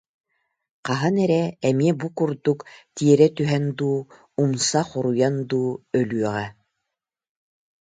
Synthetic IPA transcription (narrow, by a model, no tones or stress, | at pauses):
qɑɦanɛɾɛɛmiɛbukuɾd̪ukt̪iɛɾɛt̪yɦɛnd̪uː | umsaχuɾujand̪uːœlyœʁɛ